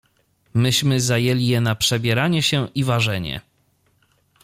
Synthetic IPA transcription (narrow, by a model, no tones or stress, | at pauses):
mɘɕmɘzajɛlʲijɛnapʂɛbʲjɛɾaɲɛɕɛʔivaʐɛɲɛ̰